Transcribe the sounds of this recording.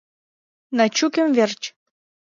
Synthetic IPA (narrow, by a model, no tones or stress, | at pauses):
nɑt͡ɕukʲə̆mvert͡ɕ